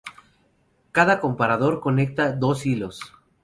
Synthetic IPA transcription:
kaðako̞mpaɾaðo̞ɾko̞ne̞k̚t̪aðosilo̞s

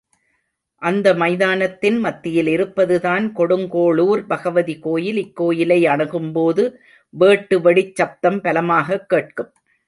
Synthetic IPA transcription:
ʔɐnd̪ɐmɐɪðaːnɐt̪ːɪnmɐt̪ːɪjɪlɪɾɯpːɐðɯðaːnkɔɽɯŋɡoːɭuːɾbɐɣɐʋɐðikoːjɪlɪkːoːjɪlɐɪɐɳɐɣɯmpoːðɯ | ʋeːʈːɯʋɐɽɪt͡ʃːɐp̚t̪ɐmpɐlɐmaːɣɐkːeːʈ̚kɯm

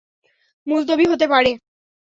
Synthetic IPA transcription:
muzd̪obiɦot̪epaɾe

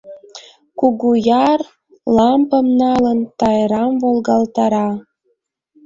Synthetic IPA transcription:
kuɣujɑr | lɑmpəmnɑlənt̪ɑjɾɑmvolɣɑlt̪ɑɾɑ

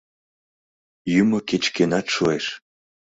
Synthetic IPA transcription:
jymoket͡ɕkenɑt̪ʃueʃ

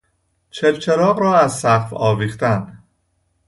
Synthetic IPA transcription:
t͡ʃʰebt͡ʃʰe̞ɾɒːɣɾɒːæzsæχfɒːviːχt̪ænd̪

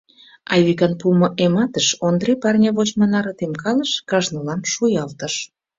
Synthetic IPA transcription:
ɑjβikɑnpumoʔemɑt̪əʃond̪repɑrnʲɑβot͡ɕmɑnɑɾɤ̆t̪emkɑləʃkɑʒnəlɑmʃujɑlt̪ə̆ʃ

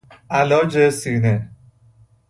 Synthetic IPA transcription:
ʔælɒːd͡ʒesiːne

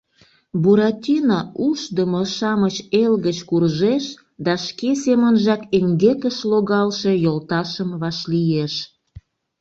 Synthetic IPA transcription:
buɾɑt̪ʲinɑuʃd̪əmoʃɑmət͡ɕelɣət͡ɕkurʒeʃ | d̪ɑʃkesemənʒɑkeŋɡekəʃloɣɑlʃe̽jolt̪ɑʃəmβɑʃlijeʃ

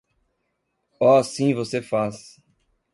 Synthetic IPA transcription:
ɔasĩvosefas

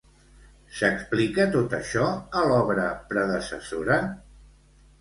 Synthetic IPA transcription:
səksplikət̪ot̪əʃɔəlɔβɾəpɾəðəsə̰soɾə

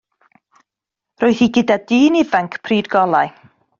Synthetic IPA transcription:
roɨθiɡɨdadiːnivaŋkʰpʰriːdɡɔlˠaj

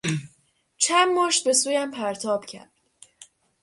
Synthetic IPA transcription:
t͡ʃʰænmoːʃt̪̚be̞suːjæmpʰæɾt̪ʰɒːb̥cʰæ̰ɾd̪

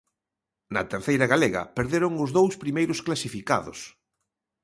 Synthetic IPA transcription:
nɐ̰t̪eɾθejɾɐɣaleɣɐ̰peɾðeɾʊŋʊzðowspɾimejɾʊsklasifika̰ðʊ̰s

